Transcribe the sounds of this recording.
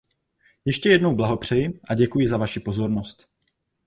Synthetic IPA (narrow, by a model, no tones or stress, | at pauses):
jɛʃcɛjɛdno̞wblaɦo̞pr̝̥ɛjɪʔaɟɛkujɪzavaʃɪpo̞zo̞ɾnost̪